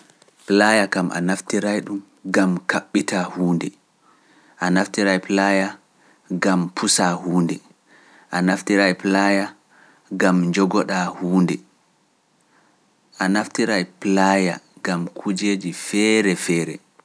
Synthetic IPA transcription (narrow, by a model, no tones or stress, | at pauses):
plajakamʔa̰naftiɾajɗum | ɡamkaɓːitahuːndɛ | ʔanaftiɾaplaja | ɡampʰusahuːndɛ | ʔanaftiɾajplaja | ɡamɲd͡ʒɔɡɔɗahuːndɛ | ʔanaftiɾajplaja̰ɡamkʰud͡ʒeːd͡ʒifɛɾɛfɛːɾɛ̰